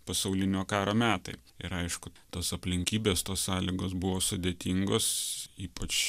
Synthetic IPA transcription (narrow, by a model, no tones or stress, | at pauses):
pɐsɐʊlʲɪnʲoːkɑːɾoːmʲæːt̪ɐ̰ɪ | ɪ̰ɾɐɪʃkʊt̪oːsɐpʲlʲɪŋʲkʲiːbʲeːst̪oːssɑːlʲiːɡoːs̬bʊʋoːsʊd̪ʲeːt̪ʲiŋɡoːsiːpɐt͡ʃ